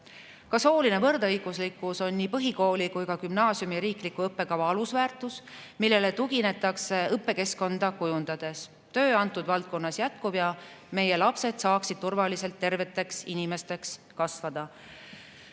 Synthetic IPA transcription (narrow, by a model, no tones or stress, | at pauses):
kɑso̞ːline̞vɤrd̪ɤjɡ̥uslikːˑuso̞nʲːiːpɤɦiko̞ːlʲikujkɑkymnɑːsjumiɾiːklikuɤpːe̞kɑvɑɑlusvæːrt̪ˑusmilːe̞le̞t̪uɡine̞t̪ːˑɑkse̞ɤpːˑe̞ke̞sko̞nd̪ɑkujund̪̥ɑd̪̥e̞s | t̪ø̞ːɑnt̪ːˑud̪vɑlt̪̚ko̞nːɑsjæt̪̚kub̥jɑme̞je̞lɑpse̞d̪̥sɑːksid̪̥̚t̪urvɑlise̞lt̪ːe̞rve̞t̪ːˑe̞ksinimest̪e̞ks | kɑsvɑd̪̥ɑ